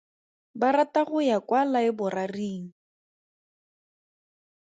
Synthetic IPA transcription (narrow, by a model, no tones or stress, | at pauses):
baɾataɣʊjakwalaɪbʊrariːŋ̩